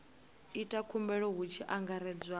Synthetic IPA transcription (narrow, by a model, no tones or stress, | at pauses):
itʼakʰumbɛɺɔɦut͡ʃʰiʔaŋɡaɾɛd͡zwa